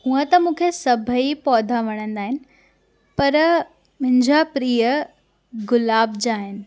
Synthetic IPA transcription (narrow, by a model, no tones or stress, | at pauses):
ũə̃t̪ɐmũːkʰesɐbʱəipɔːd̪ʱaʋɐɽ̃ə̃nd̪aːɦɪnɪ̆ | pɐɾ | mʊ̃ɦɪ̃ɲd͡ʑapɾiːə | ɡʊlaːbʱd͡ʑaːɦɪnɪ̆